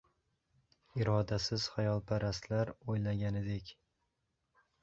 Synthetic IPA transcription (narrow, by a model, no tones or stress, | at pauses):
ɪɾɒd̪asɪz̥hajɒlˠpʰaɾast̪laɾojlaɡʲanɪd̪ekʲ